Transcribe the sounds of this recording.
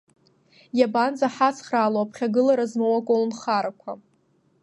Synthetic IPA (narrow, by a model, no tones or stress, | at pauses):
jabanzaħat͡sʰχraːloapʰχʲaɡɨlaɾazmowakʼolnχaɾakʷʰa